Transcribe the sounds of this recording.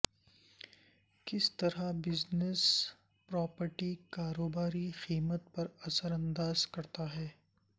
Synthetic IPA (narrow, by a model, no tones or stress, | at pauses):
kɪst̪ɐɾabɪznes | pɾɔːpəɾʈikaːɾoːbaːɾixiːmət̪̚pɐɾɐsəɾɐ̃nd̪aːzkɐɾt̪aɦɛː